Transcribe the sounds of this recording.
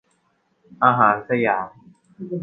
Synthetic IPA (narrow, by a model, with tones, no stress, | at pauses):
ʔaː˧ɦaː˨˦nse˥˧jaː˨˩˦